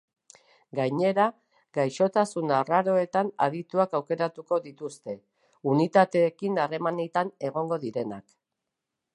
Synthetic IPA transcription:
ɡajɲe̞ɾa | ɡajʃo̞t̪asunaraɾo̞e̞t̪ana̰ðit̪uakawke̞ɾat̪uko̞ðit̪ust̪e̞ | unit̪at̪e̞ːkinare̞manit̪ane̞ɣo̞ŋɡo̞ðiɾe̞nak

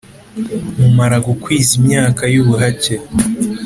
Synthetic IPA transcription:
mumaɾaɡukwiːzimɲaːkajuβuɦace

